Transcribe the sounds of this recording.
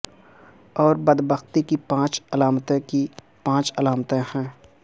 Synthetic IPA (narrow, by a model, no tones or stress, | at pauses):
ɔːɾbəd̪bəxt̪ikipãːt͡ʃəlaːmt̪ẽki | pãːt͡ʃəlaːmt̪ẽhɛ̃ː